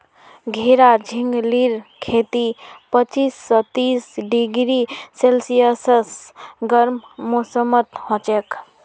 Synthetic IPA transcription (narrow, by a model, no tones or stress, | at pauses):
ɡʱeɾad͡ʒʱiŋɡliɾkʰet̪ipət͡ʃisːɔt̪isɖiɡɾiselsijəsəsɡəɾmmosəmət̪hõt͡ʃek